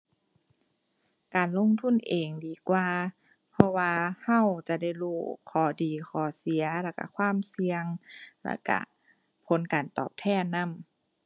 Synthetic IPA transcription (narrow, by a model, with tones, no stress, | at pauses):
kaː˨˩nlo˧˥˨ŋt̪ʰu˧˥˨nʔeː˨˩ŋdiː˨˩kwaː˧ | pʰɔ˧waː˧ha˧˥˨wt͡ɕa˧˩da˧˥˩jluː˧˩kʰɔː˨˩˦diː˨˩xʰɔː˨˩˦si˨˩˦ɐla˧˩ka̰˧˩kʰwaː˧˥˨msi˧əŋla̰˧˥˩ka̰˧˩ | pʰo˨˦nkaː˨˩nt̪ɔ̰ː˨˩p̚t̪ʰɛː˧˩˨na˧˥˨m